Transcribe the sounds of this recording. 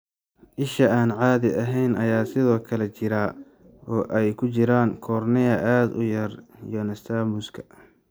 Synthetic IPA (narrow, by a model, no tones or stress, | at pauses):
ʔɪʃɐaːnʕaːðɪɐɦɛjnɐjaːsɪðɔːkʰɐlɛt͡ʃɪɾaː | ɔːʔɛjkʰʊt͡ʃɪɾaːŋkʰɔːrnɪɐʔaːd̪ʊ̰jɐrḭjɔnɐst̪ʰaːmʊskʰɐ̥